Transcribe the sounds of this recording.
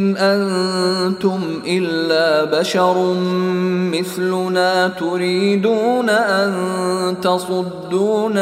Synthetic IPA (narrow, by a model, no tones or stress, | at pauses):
nʔant̪ʊm | ʔɪlːaːbaʃɑɾˤː | ɪθlʊnaːt̪ʊɾiːd̪uːnaʔant̪ɑsˤʊd̪ːuːn